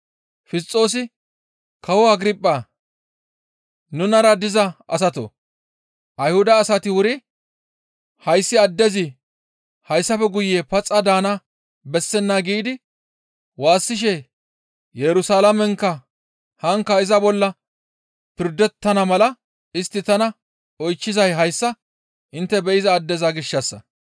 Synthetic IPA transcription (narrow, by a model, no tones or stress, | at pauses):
fɪs̬t͡sʼːo̞ːs̬ɪ | kɐwɔɐɡɾɪpʼːa | nʊnɐɾɐd̪ɪzɐʔɐ̰s̬ɐt̪o̰ | ʔɐjhʊd̪ɐːsɐt̪ɪwʊɾɪ | hɐjsːɪɐd̪ːɛzɪ | hɐjsːɐfɛɡʊjːeːpɐt͡sʼːɐd̪aːnɐ | bɛsːɛnːaɡiːd̪ɪ | waːsːɪʃ̬ɛ | jɛɾʊsalɐmɛŋkːɐ | hɐŋkːɐɪzɐbɔlːɐ | pɪɾd̪ːɛt̪ːɐnɐmɐlɐ | ɪst̪ːɪt̪ɐnɐ | ɔjt͡ʃːɪzɐjɦɐjsːɐ | ʔɪnt̪ːɛbɛɪzɐːd̪ːɛzɐɡɪʃːɐsːɐ